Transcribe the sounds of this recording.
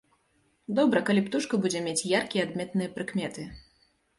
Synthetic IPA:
d̪ɔbɾɐkalʲipt̪uʂkɐbud͡zʲɛmʲet͡sʲjarkʲijɛad̪̚mʲɛt̪nɨjɐpɾɨkmʲɛt̪ɨ

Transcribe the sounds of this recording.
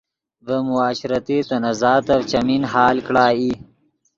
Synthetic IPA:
vəmʊaːɕɾɐt̪it̪ɐnɐzɑːt̪ɐvt͡ʃɐminɦɑːlkɽaːi

